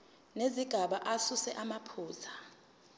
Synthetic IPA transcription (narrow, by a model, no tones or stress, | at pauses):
neziɡ̥ʱaɓaʔasusɛʔamapʰuːzʰa